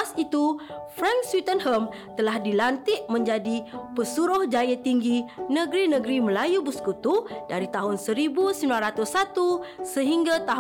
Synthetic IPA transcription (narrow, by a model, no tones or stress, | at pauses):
sit̪ufɾãŋkswit̪ənhəm | t̪əlahdilant̪ɪʔmə̃ɲd͡ʒadipəsuɾʊhd͡ʒajat̪iŋɡinə̃ɡɾinə̃ɡɾimə̃lajubuskut̪udaɾit̪aɦʊnsəɾibusəmilanɾat̪ʊsːat̪usəɦiŋɡat̪aɦ